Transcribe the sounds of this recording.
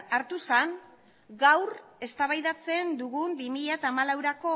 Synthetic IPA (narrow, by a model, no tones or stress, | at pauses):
aɾt̪usan | ɡawre̞st̪aβajðat͡se̞nd̪uɣumbimiʎat̪aːmalawɾako̞